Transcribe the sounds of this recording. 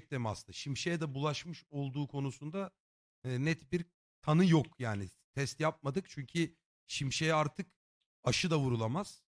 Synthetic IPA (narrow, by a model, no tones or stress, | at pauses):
c̚t̪emasd̪ɯʃimʃe̞jɛd̪ɛbulˠaʃmɯʃo̞lˠd̪uːkʰo̞nusund̪a | nɛt̪biɾ | t̪ʰanɯjokjaːnit̪ʰɛst̪jap̚mad̪ɯkt͡ʃʰyɲcʰi | ʃimʃe̞jɛaɾt̪ʰɯk | aʃɯd̪avuɾulˠamaz̥